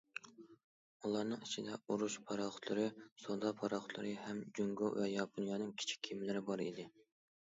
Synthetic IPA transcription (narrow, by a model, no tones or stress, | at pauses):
ulˠɑɾnɨŋit͡ʃʰid̪ɛuɾuʃpʰɑɾɑχʊ̥t̪ʰlˠɨɾɨsod̪ɑpʰɑɾɑχʊt̪lˠɨ̰ɾɨhɛmd͡ʒøŋɡowɛjɑpʰonjɑːnɨŋkʲʰi̥t͡ʃʰi̥kʲʰːimɪlɪɾɪbɑɾḭd̪ɪ